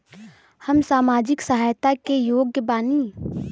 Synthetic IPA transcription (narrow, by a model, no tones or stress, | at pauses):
həmsaːmaːd͡ʒɪksəɦaːjt̪akejoːɡjəbaːni